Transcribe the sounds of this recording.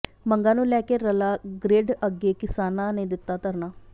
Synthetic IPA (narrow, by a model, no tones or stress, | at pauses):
məŋɡãːnũːlɛːkeːɾəlaːɡɾeːɖəɡeːkɪsaːnãːneːd̪ɪt̪ːaːt̪əɾnaː